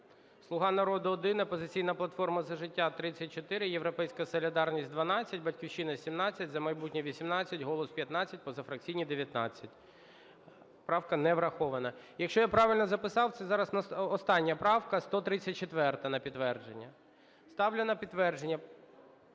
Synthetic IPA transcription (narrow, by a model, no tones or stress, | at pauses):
slˠʊɦɑnɐɾɔd̪ʊːd̪ɪnɐpɔzɪt͡sʲijnɐplˠɐt̪fɔrmɐzɐʒɪtʲːat̪ɾɪt͡sʲːɐt̚ʲt͡ʃɔt̪ɪɾɪjeʋɾɔpɛjsʲkɐsɔlʲid̪ɑrnʲisʲt̚ʲd̪ʋɐnɑt͡sʲːɐt̚ʲbɐtʲkʲiwt͡ʃinɐsʲimnɑt͡sʲːɐtʲzɐmɐjbutʲnʲiʋʲisʲimnɑt͡sʲːɐtʲɦɔlˠɔspʲjɐt̪nɑt͡sʲːɐt̚ʲpɔzɐfɾɐk̚t͡sʲijnʲid̪eʋʲjɐt̪nɑ̰t͡sʲːɐtʲ | pɾɑwkɐnɛʋɾɐxɔʋɐnɐjɐkʃt͡ʃɔjapɾɑʋɪlʲnɔzɐpɪsɑwt̪sɛzɑɾɐsnɔst̪ɑnʲːɐpɾɑwkɐst̪ɔt̪ɾɪt͡sʲːɐt̚ʲt͡ʃet̪ʋɛrt̪ɐnɐpʲid̪t̪ːʋɛrd͡ʒenʲːɐ | st̪ɑwlʲʊnɐpʲid̪ːʋɛrd͡ʒenʲːɐ